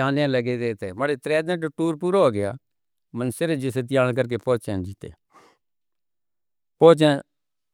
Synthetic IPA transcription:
aːnjãːləɡeːd̪eːt̪eːmaɽet̪ɾɛːd̪ə̃ʈʈuːɾpuːɾaɦoːɡɪja̰ː | mənseɾed͡ʒɪs̬et̪̬ɪjaːɽ̃k̬əɾk̬eːpoːt͡ʃɛ̃ːd͡ʒiːt̪ḛː | põːt͡ʃɛ̃ː

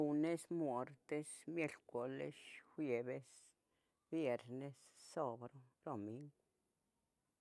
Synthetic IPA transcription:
unesmwoɾt̪esmjelkʷolḛʃxʷjebes | bjeɾnessobɾoɾomiŋɡ

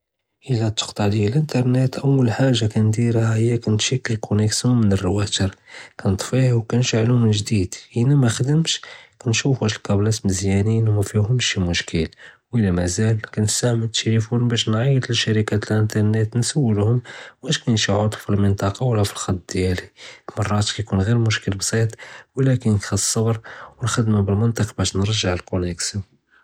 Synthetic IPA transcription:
ʔəlːæt̪ːə̥qt̪ˤɑʕd̪jælʔənt̪ɑɾˤnet̪ʔəwːəlħaʒːakænd̪iɾahəjːækænt̪ʃikːəlkʰʊnəksjunmənərːwæt̪əɾkænət̪ˤfihwkænʃaʕluməʒd̪id̪hinæmæxd̪əmʃkænʃufæʃəlkæblæsməzjæninwmæfihʊmʃimʊʃkəlwʔəlːæmæzælkænəst̪aʕmət̪ːlifunbæʃnʕɑjəd̪əlʃæɾikat̪əlʔənt̪ɑɾˤnət̪nsæwːəlhʊmwæʃkænʃiʕot̪ufilmənt̪ɑqɑwəlːæfilxɑt̪ːˤd̪jælimɑrˤːɑt̪kæjkunɣiɾmʊʃkəlbsˤit̪ˤwlækənk̪xɑsˤːɑbɾwəlxəd̪mabəlmənt̪ˤəqbæʃnəɾˤʒːaʕlkolæksu

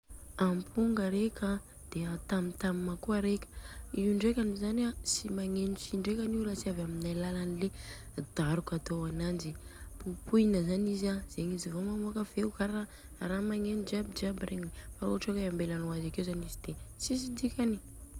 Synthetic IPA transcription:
ampʰuŋɡəɾeka | d̪̥eat̪amit̪amimakuaɾekʲə̥iuɳɖ͡ʐekʲanizaniasimaŋenusiɳɖ͡ʐekʲaniwɾasiavaminajlalanile | d̪̥aɾukat̪oanand͡ʒipupunəzanizaz̥eŋizivomamoakəv̥eukaɾa | ɾamaŋenud͡ʒiabid͡ʒabireɲifauʈ͡ʂakaambelanuazakewzanizid̪̥esis̬id̪ikʲani

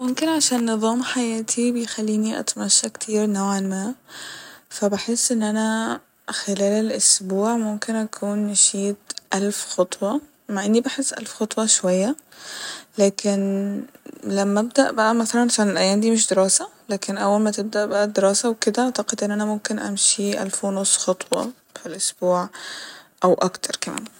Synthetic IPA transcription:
momkɪnʕaʃæːnːɨðˤɑːmħajæːt̪ʰibejxælːiːniʔa̰t̪mæʃːækt̪ʰiːɾnawʕanmæː | fæbaħesːʔɪnːʔænæ | xelæːlelʔʊsbuːʕmʊmkenʔækʰuːnːɪʃiːt̪ʔælfxɑt̪ˤwɑ | maʕʔɪnːibaħesːʔæ̰lfxɑt̪ˤwɑʃowæjːa | læːkʰen | læmːæb̚d̪æʔbæʔæmæθælænsælænelʔæjːæːnd̪iːmeʃ̬d̪eɾɑːsælæːkenʔæwːælmæt̪eb̚d̪æʔbæʔæd̪eɾɑːsæweked̪æʔaʕt̪ɑqed̪ʔenːʔænæmomkenʔæ̰mʃiʔæ̰lfwnosˤːxɑt̪ˤwɑ̰ | filʔosb̥uːʕ | ʔæwʔɑkt̪ʰɑɾˤkæmæ̰ːn

